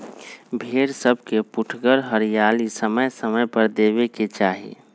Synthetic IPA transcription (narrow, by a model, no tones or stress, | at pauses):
bʱeːɾsəbʱkepʊʈʰɡəɾɦəɾijaːlisəməjsəməjpəɾd̪eːbeket͡ʃaːɦḭ